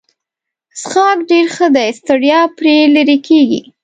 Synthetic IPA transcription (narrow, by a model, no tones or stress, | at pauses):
sxɑkɖeɾxəd̪ajst̪əɽjɑpɾeləɾekʰeɡḭ